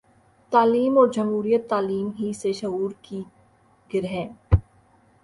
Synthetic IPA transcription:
t̪aːliːmɔːɾd͡ʒɐmɦuːɾijət̪ːaːliːmɦiseʃɐɦuːɾki | ɡ̥ɪɾɦɛ̃ː

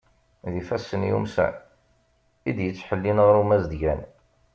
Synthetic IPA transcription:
ðifæsːənjṵmsæ̰ | id̪jət͡sːħəlːinʁɾumæzd̪ʝæn

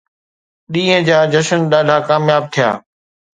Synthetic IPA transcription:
ɗĩːɦə̃d͡ʑaːd͡ʑəʃənɗaːɖʱaːkaːmjaːb̚t̪ʰɪja̰ː

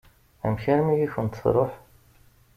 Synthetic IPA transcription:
æ̰mçæɾmijiçənt̪θɾˤoħ

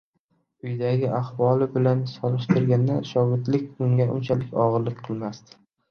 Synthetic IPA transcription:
ʊjd̪aɡʲɪʔahwɒlɪbɪlansɒlˠɪʃt̪ʰɪɾɡʲand̪aʃɒɡɪd̪lɪkʲʊŋɡʲaʔʊ̰nt͡ʃʰalɪkʲɒʁɨɾlɪkʲqʰɨlˠmast̪ɪ̥

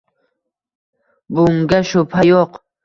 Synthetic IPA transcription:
bʊŋɡaʃʊpʰajoq

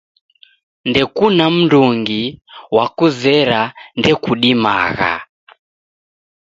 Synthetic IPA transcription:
ndɛkunam̩nduŋɡiwakuzɛɾandɛkuɗima̰ɣa̰

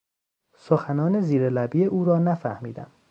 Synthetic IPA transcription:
soxænɒːne̞ziːɾelæbiːeʔuːɾɒːnæfæhmiːd̪æ̰m

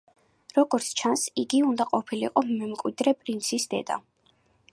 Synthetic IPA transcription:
ɾɔɡɔɾt̪sʰt͡ʃʰansiɡiund̪aqʼɔpʰilḭqʼɔmmɛmkʼwid̪ɾɛpʼɾint̪sʰisd̪ɛ̰d̪a̰

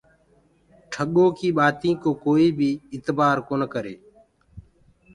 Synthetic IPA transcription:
ʈʰəɠõːkiːɓaːt̪ĩːkoːkoːiːbʱiːɪt̪baːɾkoːnəkəɾeː

